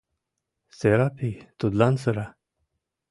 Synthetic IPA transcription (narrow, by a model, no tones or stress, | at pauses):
seɾapʰit̪ud̪lansəɾa